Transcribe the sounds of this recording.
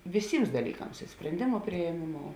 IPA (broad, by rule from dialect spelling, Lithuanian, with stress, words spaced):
ʋʲɪˈsʲiːms dɐˈlʲiːˌkɐms ɪ sʲpʲrʲɛnʲˈdʲeːmʊ pʲrʲɪeːˈmʲeːˌmoːʊ